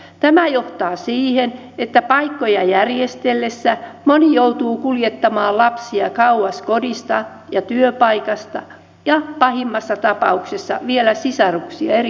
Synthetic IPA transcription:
t̪æmæjoht̪ɑːsiːhen | et̪ːæpɑikːojɑjærjest̪elːesːæmonijout̪uːkuljet̪ːɑmɑːlɑpsiɑkɑuɑskodist̪ɑ | jɑt̪yøpɑikɑst̪ɑ | jɑpɑhimːɑsːɑt̪ɑpɑuksesːɑ̰ʋielæsisɑruksiɑ̰er

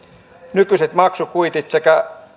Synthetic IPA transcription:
nykyset̪mɑksukuit̪it̪sekæ

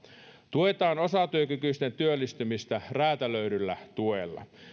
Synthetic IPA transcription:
t̪uet̪ɑːnosɑt̪yøkykyst̪ent̪yølːist̪ymist̪æræːt̪æløydylːæt̪uelːɑ̰

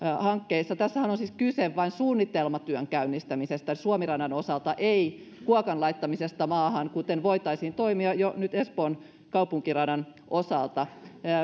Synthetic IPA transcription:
hɑŋkːeisːɑt̪æsːæhænonsiːskyseʋʋɑinsuːnːit̪elmɑt̪yøŋkæynːist̪æmisest̪æsuomirɑnɑnosɑlt̪ɑʔei | kuokɑnlɑit̪ːɑmisest̪ɑmɑːhɑnkut̪enʋoit̪ɑisiːnt̪oimiɑjonyt̪espoːn | kɑupuŋkirɑnɑnʔosɑlt̪ɑ

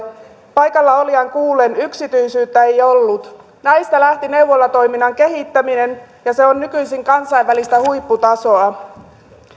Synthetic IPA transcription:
pɑjkɑlːɑoliɑŋkuːlːenyksit̪yjsyːt̪ːæejo̞lːut̪ | næjst̪ælæht̪ine̞uwʋolːɑt̪o̞jminːɑŋke̞ɦit̪ːæmine̞n | jɑse̞onːykyjsiŋkɑnsɑiʋælist̪æhujpːut̪ɑso̞ɑ

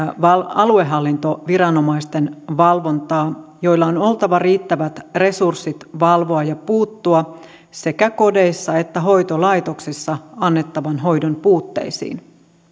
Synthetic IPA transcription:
ʋɑlɑlue̞ɦɑlːint̪oʋiɾɑno̞mɑist̪enʋɑlʋo̞nt̪ɑːjo̞jlːɑono̞lt̪ɑʋɑriːt̪ːæʋæt̪re̞sursːit̪ʋɑlʋo̞ɑjɑpuːt̪ːuɑ | se̞kæko̞de̞jsːɑe̞t̪ːæɦo̞jt̪olɑjt̪o̞ksisːɑɑnːet̪ːɑʋɑnɦo̞jdonpuːt̪ːe̞̰isḭːn

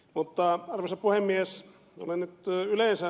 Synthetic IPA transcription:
mut̪ːɑɑrʋesɑpuhemːies | o̰lennyt̪yleˑnsæ

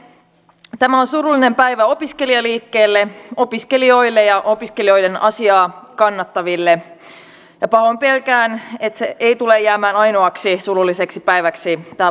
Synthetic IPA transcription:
t̪æmæo̞nsurulːine̞mpæjʋæo̞piske̞liɑliːkːeːlːeo̞piske̞lio̞jlːejɑʔo̞piske̞lio̞jde̞nʔɑsiɑːkɑnːɑt̪ːɑʋilːe | jɑpɑɦompelkæːnet̪seʔeit̪ulejːæːmæːnɑjnoɑksisurulːiseksipæjʋæksit̪æ

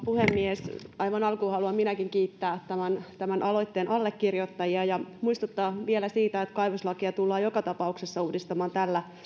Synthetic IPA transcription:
puhemːiesɑjʋɑnɑlkuːhɑluɑmminækiŋkiːt̪ːæːt̪æmænt̪æmænʔɑlo̞it̪ːeːnʔɑlːekːirjot̪ːɑjiɑjɑmuist̪ut̪ːɑːʋielæsiːt̪æet̪kɑjʋuslɑkiɑt̪ulːɑːjokɑt̪ɑpɑuksesːɑuːdist̪ɑmɑːnt̪ælːæ

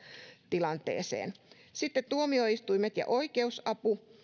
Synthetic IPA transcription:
t̪ilɑnt̪ḛːsḛːn | sit̪ːet̪t̪uomioist̪uimet̪jɑ̰ʔoikeusɑpu

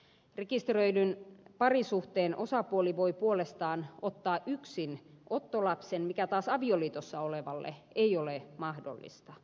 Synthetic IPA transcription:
rekist̪røilynpɑrisuht̪eːnʔosɑpuoliʋoipuolest̪ɑːnot̪ːɑːʔyksinʔot̪ːolɑpsenmikæt̪ɑːsɑʋioliːt̪osːɑoleʋɑlːḛeiolemɑhdo̰lːḭst̪ɑ

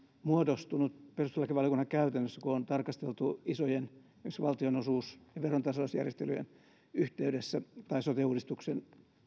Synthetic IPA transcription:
muodost̪unut̪perust̪elɑkiʋɑljokunːɑkkæyt̪ænːøsːækuont̪ɑrkɑst̪elt̪uisojen | yksʋɑlt̪ionosuːsjɑʋeront̪ɑsosjæ̰rjest̪ely̰jḛn | yht̪eydesːæt̪ɑisot̪euːdist̪uksen

